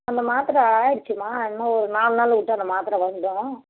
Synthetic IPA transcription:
ɐnd̪ɐmaːt̪ɪɾɐ̃ɪɾɯt͡ʃːɯmaːɪnːaɔɾɯnaːlnaːlʋɪʈːɯɐnd̪ɐmaːt̪ɪɾɐ̃ʋɐɳɖʊ̃

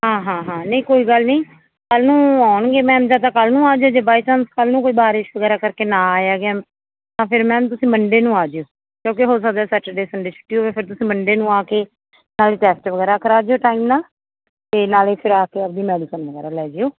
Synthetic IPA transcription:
ɦãːɦãːɦãːnəĩːkoːiːɡəlnəĩː | kəlnũːaːɳɡeːmɛ̃ːmd͡ʒaːt̪̬ãːkəlnũːaːd͡ʒeoːd͡ʒeːbaːiːsənskəlnũːkoːiːbaːɾɪʃʋəɡɛːɾaːkəɾkeːnãːaːjaːɡɪaː | t̪ãːpʰɪɾmɛ̃ːt̪̬ʊsĩːməɳɖeːnũːaːd͡ʒeoː | kjõːk̬iɦoːs̬ək̚d̪aɛːsɛːʈeɖeːsəɳɖeːt͡ʃʰʊ̥ʈːiːoːʋeːpʰɪɾt̪ʊsĩːməɳɖeːnũːaːkeː | naːleːʈɛːsʈʋəɡɛːɾaːkəɾaːd͡ʒeoːʈaːimnaːl | t̪eːnaːleːpʰɪɾaːkeːəp̚d̪iːmɛːɖiːsənʋəɡɛːɾaːlɛːd͡ʒeoː

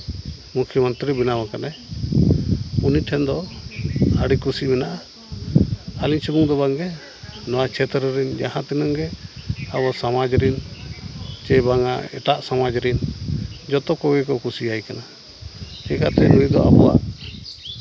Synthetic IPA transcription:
mukʰjɔmənt̪ɾibinawakanaj | uniʈʰɛnd̪ɔ | aɽikusimɛnaʔa | aliɲt͡ʃibuŋd̪ɔbaŋɡɛ | nɔwat͡ʃʰɛt̪ɾɔɾɛnd͡ʒahãt̪inaŋɡɛabɔsamad͡ʒɾin | t͡ʃɛbaŋa̰ɛ̰ʈaʔsamad͡ʒɾind͡ʒɔt̪ɔkɔɡɛkɔkusiajkana | t͡ʃɛkat̪ɛnunid̪ɔ̰ʔa̰bɔwa̰ʔ

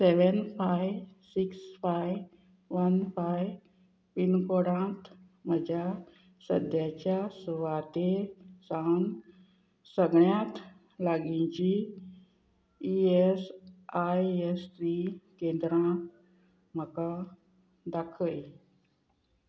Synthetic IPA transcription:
seʋənfajʋsiksfaj | ʋənfaj | pinkoɽãt̪ | məd͡ʑʱja | sə̰d̪ʱjat͡ɕjasuʋat̪esaŋ | səɡɳjãt̪ | laɡĩt͡ɕi | iesajest̪ɾikẽnd̪ɾãt̪ | m̤əkã | d̪akʰəj

